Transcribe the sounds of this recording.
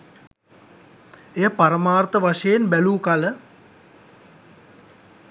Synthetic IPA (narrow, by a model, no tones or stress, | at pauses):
ejəpaɾəmaːrt̪əʋaʂəjenbæluːkalə